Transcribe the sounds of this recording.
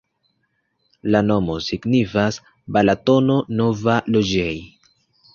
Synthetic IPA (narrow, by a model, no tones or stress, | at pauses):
lano̞mo̞siɡnifas | balato̞no̞no̞valod͡ʒej